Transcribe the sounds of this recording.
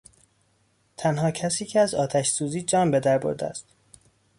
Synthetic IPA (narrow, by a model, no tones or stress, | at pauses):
t̪ʰænɦɒːcʰæsiːcʰeæzɒːt̪ʰæʃsuːziːd͡ʒɒːnbe̞d̪æɾbo̰ɾd̪eæ̰st̪